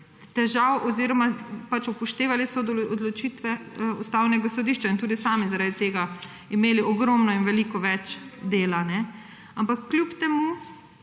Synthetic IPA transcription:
t̪ɛʒawʔɔziːɾɔmapat͡ʃupɔʃt̪eːʋalisɔd̪ɔd̪lɔt͡ʃit̪ʋɛust̪awnɛɡasɔd̪iːʃt͡ʃaint̪uːd̪isaːmizaɾaːd̪it̪eːɡa | imeːliɔɡɾɔmnɔinʋɛlikɔʋɛt͡ʃd̪eːlanɛ | ampakːljupt̪ɛmu

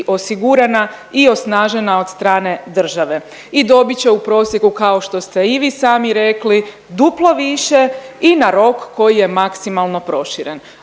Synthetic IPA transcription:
ʔo̞siɡuɾana | io̞snaːʒe̞nao̞d̪st̪ɾaːne̞d̪r̩ʒaʋe̞ | id̪o̞bit͡ɕeupɾo̞ːsje̞kukao̞ʃt̪o̞st̪e̞iʋiːsaːmiɾe̞kli | d̪uplˠoʋiʃe̞inaɾo̞kːo̞jije̞maksimalˠno̞pɾo̞ʃiɾe̞n

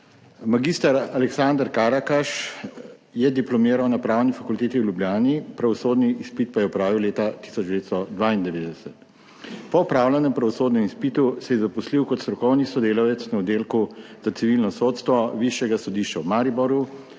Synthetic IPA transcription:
maɡist̪aɾalɛksand̪əɾkaɾakaʃ | jɛd̪iplɔmeːɾawnapɾaːwnifakult̪eːt̪iwlʲjublʲjaːnipɾaʋɔsoːd̪niispit̪̚pajɛɔpɾaːʋiwleːt̪at̪i̥sɔd͡ʒd̪ɛʋeːt̪st̪ɔd̪ʋaːind̪ɛʋeːd̪ɛsɛt̪ | pɔɔpɾaːwlanɛmpɾaʋɔsoːd̪nɛmispit̪usɛjɛzapusliwkɔt̪st̪ɾɔkɔwnisɔd̪eːlawjɛt̪snaɔd̪eːlkuz̥at̪siʋilnɔsoːt̪st̪ʋɔʋiʃjɛɡasɔd̪iːʃt͡ʃawmaːɾibɔɾju

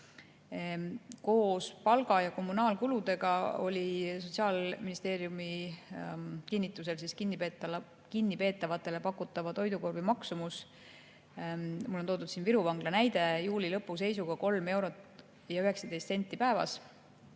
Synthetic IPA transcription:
ko̞ːspɑlɡ̥ɑjɑko̞mːunɑːlkulud̪̥e̞ɡ̥ɑo̞̰lʲiso̞t̪ʲsiɑːlminist̪e̞ːɾijumi | kinːit̪ːˑus̬e̞lsiskinːipet̪ːɑ | kinːipe̞ːt̪ːˑɑvɑt̪ːˑe̞le̞pɑkːˑut̪ːˑɑvɑt̪o̞jd̪uko̞rvimɑksumus | mulːo̞nt̪oːd̪ud̪̥siːnviɾuvɑŋɡ̥lɑnæjd̪̥e̞juːlilɤpːuse̞jsuɡ̥ɑko̞lme̞wɾo̞t̪ | jɑyɦe̞ksɑd̪̥ejst̪senʲt̪ʲːˑipæevɑ̰s

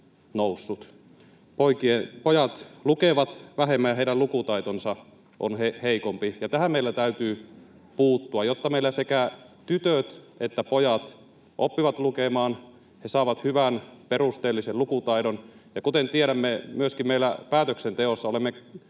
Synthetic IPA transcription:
nousːut̪ | poikiepojɑt̪lukeʋɑt̪ʋæɦemːæjɑheidælukut̪ɑit̪onsɑ | ʔo̰nheheikompijɑt̪æhæmmeilːæt̪æyt̪yː | puːt̪ːuɑjot̪ːɑmeilːæsekæt̪yt̪øt̪et̪ːæpojɑt̪ | ʔopːiʋɑt̪lukemɑːn | hesɑːʋɑt̪hyʋænperust̪eːlːisellukut̪ɑidonjɑkut̪ent̪ieɾæmːemyøskimmeilːæpæːt̪øksent̪eosːɑolemːe

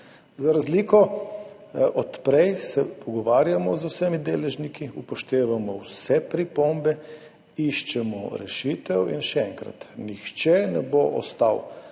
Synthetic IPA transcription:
zaɾazliːkɔ | ʔɔt̪pɾɛjsɛpʰɔɡɔʋaːɾjamɔzusɛmid̪eːlɛʒnikiupɔʃt̪eːʋamɔwsɛpɾipombɛ | iʃt͡ʃɛmɔ̰ɾɛ̰ʃiːt̪ɛwḭnʃɛɛŋkɾa̰t̪nixt͡ʃɛnɛboʔɔ̰st̪a̰w

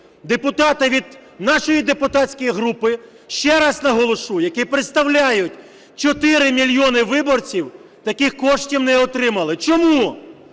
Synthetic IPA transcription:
d̪epʊt̪ɑt̪ɪʋʲid̪̚nɑʃɔjid̪epʊt̪aɑtʲt͡sʲkɔjiɦɾupɪ | ʃt͡ʃɛɾɑznɐɦɔlˠɔʃujɐkipɾet̪st̪ɐwlʲajʊtʲ | t͡ʃɔt̪ɪɾɪmʲilʲjɔnɪʋɪbɔrt͡sʲiw | t̪ɐkixkɔʃtʲiwnɛɔt̪ɾɪmɐlˠɪt͡ʃɔmu

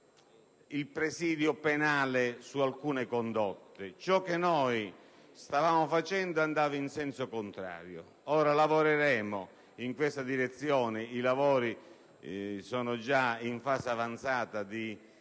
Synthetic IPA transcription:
ilpɾesiːd̪jʊpenaːlɪsualkuːnɪkond̪ɔt̪ːɪt͡ʃɔk̟ːɪnɔj | st̪avaːmʊfat͡ʃɛnd̪ʊand̪aːvainsɛnsokʊnt̪ɾa̰ːɾjo̰ | ɔːɾalavoɾeɾɛːmʊ | iŋkwest̪ad̪iɾɛt̪sːjɔːnɪilavɔːɾi | sɔːnʊd͡ʒaiɱfaːsavant̪saːt̪ad̪i

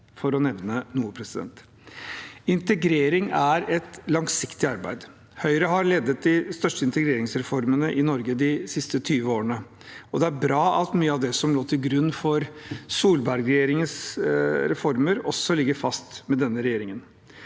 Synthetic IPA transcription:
fɔɾɔnɛʋnənuːpʰɾɛsɪd̪ɛ̰nt̪ | ɪnt̪əɡɾeːɾɪŋæɾɛt̪lɑŋsɪkt̪ɪɑɾbæ̰ɪd̪ | hœʏɾəɦɑɾɭeːd̪ət̪̚d̪ɪst̪œʂʈəɪnt̪əɡɾeːɾɪŋsɾɛfɔɾmənəʔɪnɔɾɡəd̪ɪsɪst̪ət̪ʰyːʋəoːɾənə | ɔd̪ɛæɾbɾɑːʔɑt̪myːəɑʋd̪ɛsɔmloːt̪ʰɪlɡɾʉnːfɔɾsuːlbæɾɡɾɛjeːɾɪŋənsɾɛfɔɾməɾɔsːɔlɪɡːəɾfɑst̪mɛd̪ɛnːəɾɛjeːɾɪŋən

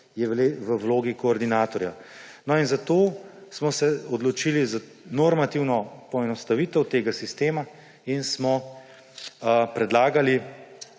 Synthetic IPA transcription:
jɛʋleʋəwloːɡikɔːɾd̪inaːt̪ɔɾja | nɔinzat̪oːsmɔsɛɔd̪lɔt͡ʃiliza | nɔɾmat̪iwnɔpɔɛnɔst̪aʋit̪əwt̪eːɡasist̪eːma | insmɔ | pɾɛd̪laːɡali

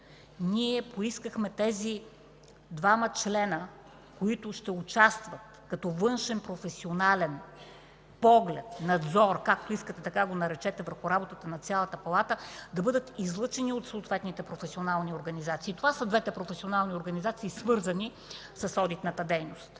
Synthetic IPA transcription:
niɛpoiskəxmɛt̪ɛzi | d̪vamət͡ʃlɛnə | koit̪ʊʃt̪ɛʊt͡ʃast̪vɐt̪ | kɐt̪ɔvɤnʃɛnpɾofɛsionalɛn | pɔɡlʲɛt̪nɐd̪zɔɾkak̚t̪oiskət̪ɛt̪ɐkaɡonɐɾɛt͡ʃɛt̪ɛvəɾxʊɾabot̪ət̪ənɐt̪sʲalˠət̪əpɐlˠat̪əd̪ɐbɤd̪ət̪izlˠɤt͡ʃɛniot̪soːt̪vɛt̪nit̪ɛpɾofɛsʲionalˠnioɾɡɐnizat̪siːt̪ovasəd̪vɛt̪ɛpɾofɛsionalˠnioɾɡɐnizat̪siːsvɤɾzəni | sɐsɔd̪it̪nət̪əd̪ɛjnost̪

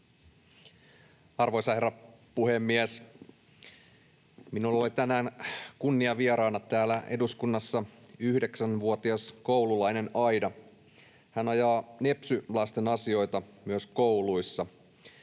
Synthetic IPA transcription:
ɑrʋo̞jsɑheɾɑpuhemːies | minulːolit̪ænæːnkunːiɑʋieɾɑːnɑt̪æːlæʔe̞̰duskunːɑsːɑyhde̞ksænʋuot̪iɑsko̞wlulɑjne̞nɑjdɑ | hænɑjɑːne̞psylɑst̪e̞nɑsio̞jt̪ɑmyøskowluisːɑ

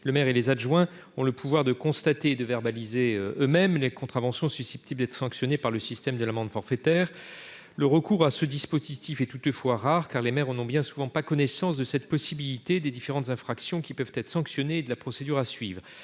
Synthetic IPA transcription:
ləmɛʁelezaʒwɛ̃ | ɔ̃ləpuvwaʁd̪əkɔ̃st̪at̪eːd̪əvɛʁbalizeømɛmlekɔ̃t̪χavɑ̃sjɔ̃sysɛ̥p̚t̪ibld̪ɛt̪χsɑ̃ksjɔnepaʁləsist̪ɛmd̪əlamɑ̃d̪fɔʁfet̪ɛːʁ | ləʁəkuʁasəd̪ispozit̪ifɛt̪ut̪əfwaʁaʁkaʁlemɛʁɑ̃nɔ̃bjɛ̃suvɑ̃pakɔnɛsɑ̃sd̪əsɛt̪̚pɔsibilit̪ed̪ed̪ifeʁɑ̃t̪zɛ̃fχaksjɔ̃kʲipœv̥t̪ɛt̪χsɑ̃ksjɔneːd̪əlapχɔsed̪yʁasɥiːvʁ

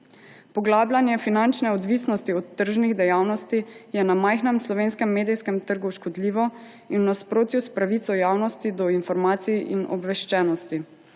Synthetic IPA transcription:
pɔɡlaːblʲanjɛfinant͡ʃnɛɔd̪ʋisnɔst̪iɔt̪ːəɾʒniɣd̪ɛjaːwnɔst̪ijɛnamajxnɛmslɔʋeːnskɛmːeːd̪ijskɛmt̪əɾɡuʃkɔd̪liːʋɔ | inːnaspɾoːt̪juspɾaʋit̪sɔjaːwnɔst̪id̪ɔinfɔɾmaːt̪sijʔinʔɔ̰bʋɛʃt͡ʃɛːnɔst̪i

